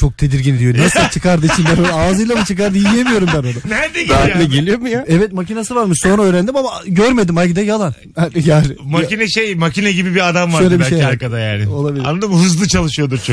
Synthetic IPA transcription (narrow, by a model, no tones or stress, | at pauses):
t͡ʃʰo̞k̚t̪ʰe̞d̪iɾɟinid̪ijonesat͡ʃʰɯkaɾd̪ɯit͡ʃʰinbænonaaːzɯjlˠamɯt͡ʃʰɯkaɾd̪ɯjijemijo̞ɾumbæno̞nanæd̪aːilʲɛɟe̞lʲijo̞mujaɛvɛt̪̚macinasɯvaɾmɯʃso̞nɾaøːɾænd̪imamaɟøɾme̞d̪imajɡid̪ɛjalˠan | hanjalmacinɛʃejmacinɛɟibibiad̪amvaʃɾø̞jlʲebiʃaeaɾkad̪ajaːnɪo̞lˠabilʲa̰nːˠad̪ɯmɦɯzlˠɯt͡ʃʰalˠɯʃɯjo̞d̪uɾt͡ʃʰo